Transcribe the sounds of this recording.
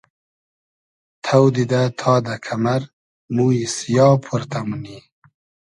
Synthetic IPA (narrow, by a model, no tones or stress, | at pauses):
t̪ʰawd̪id̪at̪ʰɑːd̪akʰamaɾ | muisjɑːpʰuɾt̪amuni